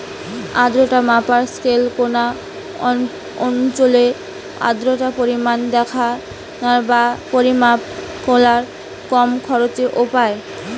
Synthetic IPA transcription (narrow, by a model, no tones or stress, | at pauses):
a̰d̪ɾoʈamapaɾskelkona | ɔnt͡ɕole | a̰d̪ɾoʈapoɾimand̪ɛkʰa | naɾbapoɾimakolaɾ | kɔmkʰɔɾot͡ɕeʔopae